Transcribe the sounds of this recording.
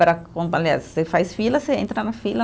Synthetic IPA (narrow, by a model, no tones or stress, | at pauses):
pɾɐkõalia̰ssefajsfilɐseẽnt̪ɾɐnɐfilɐ